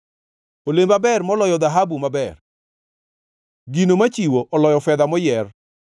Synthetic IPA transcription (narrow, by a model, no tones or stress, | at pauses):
olembabɛrmɔlɔjɔd̪aɦabumabɛr | ɡinomat͡ʃiwoʔɔlɔjɔfɛd̪amɔjɛr